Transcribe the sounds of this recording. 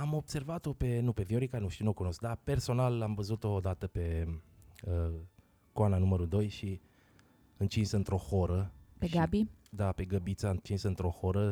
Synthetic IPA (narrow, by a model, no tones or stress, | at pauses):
amo̞b̥se̞rvat̪o̞pe̞nupe̞vioɾikanuʃt̪iunokuno̞sk̚d̪ape̞rso̞nalamvəzut̪o̞d̪at̪əpe̞ | ə | koananuməɾud̪o̞jʃi | ɨnt͡ʃinsəɨnt̪ɾo̞xoɾəpeʃɡabid̪ape̞ɡəbit̪sant͡ʃinsəɨnt̪ɾo̞xo̞ɾə